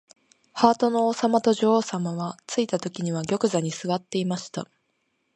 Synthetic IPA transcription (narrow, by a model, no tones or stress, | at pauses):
haːt̪o̞no̞ːsamat̪o̞ʑoːsamaβat͡sɨit̪at̪o̞kʲiɲ̟iβ̞aɡʲo̞kɯ̟zaɲ̟isɨβat̪ːe̞imaɕi̥t̪a̰